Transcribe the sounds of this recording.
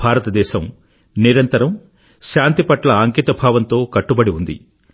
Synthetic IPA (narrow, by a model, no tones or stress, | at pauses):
bʱaːɾɐt̪ɐd̪ɛːʃɐm | niɾɐnt̪ɐɾɐm | ʃaːnt̪ipɐʈlɐaŋkiːt̪ɐbʱaːʋɐnt̪o̞ːkɐʈːubɐɽiund̪ḭ